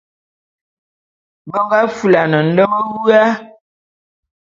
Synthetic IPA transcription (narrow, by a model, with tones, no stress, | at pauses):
bə˦ɡa˦fu˦˨la˨nə˨n̩˦də˦mə˦wʉ˦a˦